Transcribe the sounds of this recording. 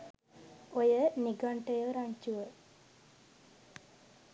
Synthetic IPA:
ojəniɡaɳʈəjəɾaɲt͡ʃuʋə

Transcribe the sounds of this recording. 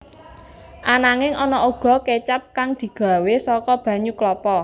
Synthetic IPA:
ʔanaŋɪŋɔnɔʔoɡ̥ɔ̤ket͡ʃap̚kaŋd̪̥i̤ɡ̥ä̤wesɔkɔb̥ä̤ɲuklɔpɔ

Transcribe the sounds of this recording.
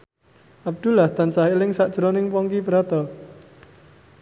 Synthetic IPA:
ʔab̚d̪̥ulaht̪ant͡ʃahilɪŋsaʔd̥ʒ̥ɾonɪŋpɔŋkibɾat̪ɔ

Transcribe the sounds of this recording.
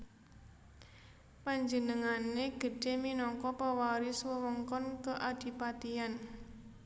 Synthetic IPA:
paɲd͡ʒənəŋaneɡ̥ə̤ɖ̥e̤minɔkɔpawaɾiswəwɔŋkɔnkəʔad̥i̤pat̪ian

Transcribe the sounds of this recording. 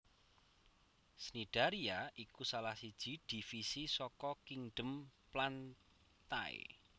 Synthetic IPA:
snid̪̥a̤ɾiaʔikusalahsid̥ʒ̥i̤d̪̥i̤fisisɔkɔkiŋɖ̥ə̤mplan | t̪aḛ

